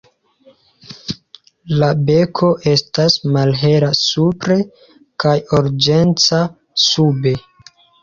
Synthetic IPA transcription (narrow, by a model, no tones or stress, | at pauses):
labe̞kʰo̞ʔe̞stasmalɦe̞ɾasupɾe̞ | kajoɾd͡ʒe̞nt͡sa | sube̞